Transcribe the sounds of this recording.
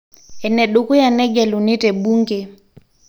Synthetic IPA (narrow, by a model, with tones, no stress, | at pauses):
ɛ˨nɛ˨ɗu˨ku˦ja˨nɛ˦ɡɛ˨lu˨ni˦tɛ˨bu˦ŋke˨